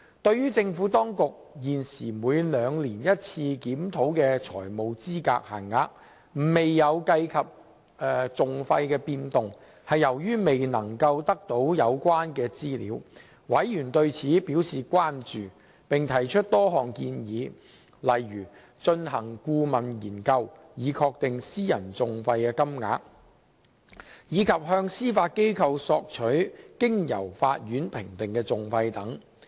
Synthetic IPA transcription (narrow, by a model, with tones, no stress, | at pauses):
t̪ɵ˧ɥɥyː˥t͡sɪ˧ŋfuː˨˥t̪ɔː˥ŋkʊ˨k̚jiː˨˩nsiː˨˩muː˨˧jlœː˨˧ŋliː˨˩njɐ˥t̚t͡sʰiː˧kiː˨˥mt̪ʰo˨˥wkɛː˧t͡ʃʰɔ̰ː˨˩jmo˨wt͡siː˥ka̰ː˧k̚ha̰ː˨˩ŋːaː˧k̚ | m̩˨˩me˨jːɐ˨˧wkɐ˧jkʰɐ˨p̚ | ɛ˧t͡sʊ˨ŋfɐ˧jkɛː˧piː˧nt̪ʊ˨ŋ | hɐ˨jːɐ˨˩wjyː˥me˨jnɐ˨˩ŋkɐ˧wt̪ɐ˥k̚t̪o˨˥wjɐ˨˧wkʷwaː˥nkɛː˧t͡siː˥lḭ˨˥w | wɐ˨˥jjyː˨˩nt̪ɵ˧ɥt͡sʰiː˨˥piː˨˥wsiː˨kʷaː˥nt͡ʃyː˨ | pɪ˨ŋt̪ʰɐ˨˩jt͡ʃʰɵ˥t̚t̪ɔː˥ɦɔː˨˩ŋkiː˧njiː˨˧ | lɐ˨jːyː˨˩ | t͡ʃɵ˧nɦɐ˨˩ŋkuː˧mɐ˨˩njiː˨˩nkɐ˧w | jiː˨˧kʰɔː˧k̚t̪ɪ˨ŋsiː˥jɐ˨˩nt͡sʊ˨ŋfɐ˧jkɛː˧kɐ˥mŋa̰ː˧k̚ | jiː˨˧kʰɐ˨p̚ɦœː˧ŋsiː˥faː˧t̚ke˥jkʰɐ˧wsɔː˧k̚t͡ʃʰɵ˨˥ɥkɪ˥ŋjɐ̰˨˩wfa̰ː˧t̚jyː˨˥npʰɪ˨˩ŋt̪ɪ˨ŋkɛː˧t͡sʊ˨ŋfɐ˧jt̪ɐ˨˥ŋ